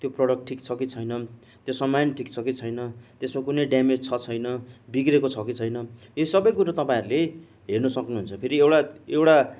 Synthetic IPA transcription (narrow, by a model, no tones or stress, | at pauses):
t̪joprʌɽʌk̚ʈʈʰikt͡sʰʌkit͡sʰʌjnʌ | t̪josamːanʈʰikt͡sʰʌkit͡sʰʌjnʌt̪esmakunʌjɖjamed͡zt͡sʰʌt͡sʰʌjnʌbiɡrekot͡sʰʌkit͡sʰʌjnʌesʌbʌjkuɾat̪ʌpãĩɾule | ɦernʌsʌknuɦunt͡sʰʌpʰeɾiewʈaewʈa